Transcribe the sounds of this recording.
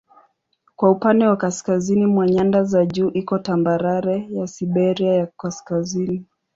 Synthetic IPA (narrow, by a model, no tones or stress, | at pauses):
kwaupandɛwakaskazinimwaɲandazaʄuːʔikɔtambaɾaɾɛjasiɓɛɾiajakaskazini